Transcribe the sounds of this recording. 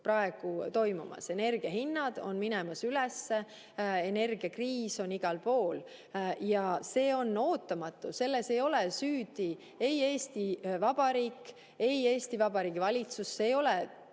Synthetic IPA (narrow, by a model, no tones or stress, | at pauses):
prɑe̞ɡ̥ut̪o̞jmumɑ̰se̞ne̞rɡ̥iɑɦinːɑd̪̥o̞̰nminɛmɑsylɛsːe | e̞ne̞rɡ̥iɑkriːso̞niɡ̥ɑlpo̞ːl | jɑse̞ːo̞nːo̞ːt̪ːˑɑmɑt̪ːˑuse̞lːe̞se̞jo̞lesyːd̪i | e̞je̞ːst̪ivɑb̥ɑɾiːkː | e̞je̞ːst̪ivɑb̥ɑɾiːɡ̥ivɑlʲit̪susːejo̞lɛ